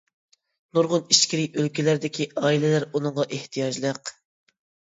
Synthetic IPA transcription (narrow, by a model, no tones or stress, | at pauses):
nuɾʁʊniʃkʲiɾɪʔølkʲilæɾd̪ɪkʲʰiʔɑːilɪlæɾunɨŋʁɑʔeht̪ʰijɑd͡ʒlˠəq